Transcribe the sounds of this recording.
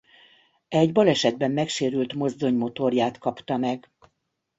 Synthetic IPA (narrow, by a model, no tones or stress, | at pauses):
ɛɟbɒlɛʃɛd̪bɛmːɛkʃeːɾylt̪mo̞zd̪o̞ɲmo̞t̪o̞rjaːt̪kɒpt̪ɒmɛɡ